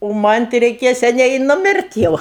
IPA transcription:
oː ˈmɐnʲ tɐɪ rʲɛɪˈkʲeːjɛ sʲɛˈnʲɛɪ ɪ nʊˈmʲɪrʲtʲ ˈjɛʊ

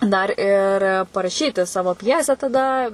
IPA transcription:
ˈdɐr ɪr pɐrɐˈʃʲiːtʲɪ ˈsɑːʋoː ˈpʲjæːsʲæː tɐˈdɐ

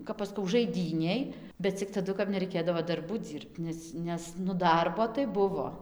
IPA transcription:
ˈkɐp ɐʃ ˈskɐʊ ʒɐɪˈdʲiːnʲeːj bʲɛt t͡sʲɪk tɐˈdʊ nʲɛrɐɪˈkʲeːdɐʋoː dɐrˈbuː ˈd͡zʲiːrpt ˈnʲɛs ˈnʲɛs nʊ ˈdɐrboː tɐɪ ˈbʊʋoː

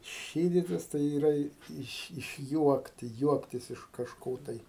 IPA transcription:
ˈʃʲiːdʲɪtʲɪs tɐɪ iːˈrɐ ɪ ˈɪʃ ɪʃʲˈjuɔktʲɪ ˈjuɔktʲɪs ɪʃ kɐʃˈkoː tɐɪ

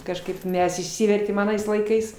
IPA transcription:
kɐʃˈkɐɪp ˈmʲɛs ɪʃʲˈsʲɪʋʲɛrʲtʲeːm ɐˈnɐɪs lˠɐɪˈkɐɪs

